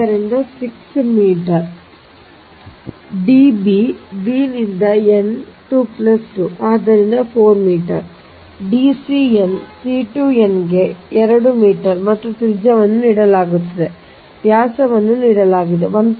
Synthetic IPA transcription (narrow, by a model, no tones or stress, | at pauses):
ɐɾind̪ɐsiksmiːʈɐɾ | ɖibibiːnind̪ɐenʈuːplɐsʈuaːd̪ɐɾind̪ɐpʰoːɾmiːʈɐ̰ɾ | ɖisiensiːʈuːenɡe̞ɛɾɐɽumiːʈɐɾmɐt̪ːɾut̪iɾɪd͡ʒɐʋɐnːuniːɽɐlaːɡut̪ːɐd̪e̞ | ʋjaːsɐʋɐnːuniːɽɐlaːɡid̪eʋɐn